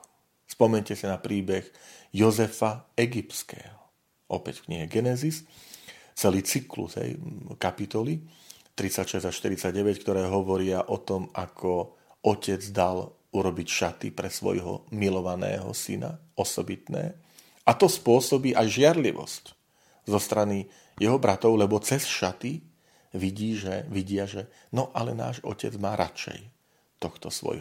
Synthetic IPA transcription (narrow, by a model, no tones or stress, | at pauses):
spɔmɛɲcɛsinapɾiːbɛɣjɔzɛfaɛɡipskɛ̰ːɦɔ | ʔɔ̰pɛcfkɲiɦɛɡɛnɛzis | t͡sɛliːt͡siklṵzɦɛ̰jkapit̪ɔli | t̪ɾit͡sacʃɛzaʃt̪iɾit͡saɟɟɛʋɛckt̪ɔɾɛːɦɔʋɔɾɪaʔɔt̪ɔmakʰɔ | ʔɔcɛd͡zd̪al | uɾɔbicʃat̪ipɾɛsʋɔ̰jɦɔ̰milɔʋanɛ̰ːɦɔ̰sina̰ɔsɔbit̪nɛ̰ː | ʔat̪ɔspʊɔsɔbiːʔajʒɪaɾliʋɔ̰sc | zɔst̪ɾani | jɛɦɔbɾat̪ɔʊlɛbɔt͡sɛsʃat̪i | ʋiɟiːʒɛʋiɟɪaʒɛ | nɔʔalɛna̰ːʒɔ̰cɛ̰d͡zmaːɾʔa̰t͡ʃɛ̰j | t̪ɔxt̪ɔsʋɔ̰j